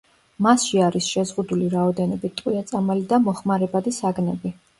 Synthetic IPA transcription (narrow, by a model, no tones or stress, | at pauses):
masʃiaɾisʃɛzʁud̪uliɾaɔd̪ɛnɔbit̪t̪ʼwiat̪sʼamalid̪amɔχmaɾɛbad̪isaɡnɛbi